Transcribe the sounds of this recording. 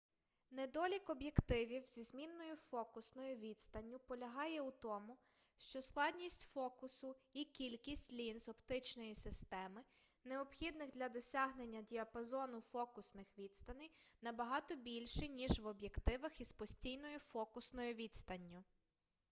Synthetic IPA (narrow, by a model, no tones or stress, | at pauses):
ned̪ɔlʲikɔbjekt̪ɪʋʲiwz̥ʲizmʲinːɔjʊfɔkʊsnɔjʊʋʲid̪st̪ɐnʲːʊpɔlʲɐɦɑjɛut̪ɔmʊ | ʃt͡ʃɔsklˠɑd̪ʲnʲisʲtʲfɔkʊsʊikʲilʲkʲisʲtʲlʲinzɔpt̪ɪt͡ʃnɔjisɪst̪ɛmɪ | neɔbxʲid̪nɪxd̪lʲɐd̪ɔsʲɑɦnenʲːɐdʲiɐpɐzɔnʊfɔkʊsnɪxʋʲid̪st̪ɐnɪjnɐbɐɦɑt̪ɔbʲilʲʃɪnʲiʒʋɔbʲje̞kt̪ɪʋɐxizpɔsʲtʲijnɔjʊfɔkʊsnɔjʊʋʲid̪st̪ɐnʲːʊ